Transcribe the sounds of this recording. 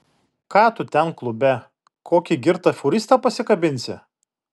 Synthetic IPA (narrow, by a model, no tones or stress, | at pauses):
kɑːt̪ʊt̪ʲɛnklˠʊbʲɛ | koːkʲiɡʲɪɾt̪ɐfʲʊɾʲɪst̪ɑpɐsʲɪkɐbʲɪnʲsʲɪ̰